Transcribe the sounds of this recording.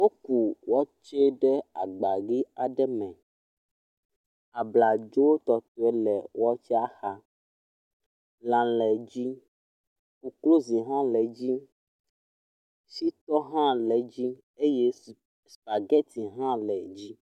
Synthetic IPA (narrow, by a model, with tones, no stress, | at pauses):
wo˦ku˨wɔ˦t͡ʃɛ˦ɖɛ˦a˨ɡ͡ba˨ɡi˦a˨ɖɛ˦mɛ̃˨ | a˨bla˨d͡ʒo˦wo˦t̪ɔ˨t̪o˦ɛ˦lɛ˨wɔ˦t͡ʃɛ˦a˦xa˦ | lã˨lɛ˨d͡ʑi˦ | ku˨klo˦zi˨ɦã˦lɛ˨d͡ʑi˦ | si˦t̪ɔ˦ɦã˦lɛ˨d͡ʑi˦ | e˦je˦ | spa˨ɡɛ˦t̪i˨ɦã˦lɛ˨d͡ʑi˦